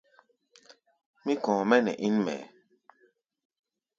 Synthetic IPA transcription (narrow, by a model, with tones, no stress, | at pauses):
mĩ˦kɔ̃ː˨mɛ˦nɛ̰˨ʔi˦nmɛ̰˨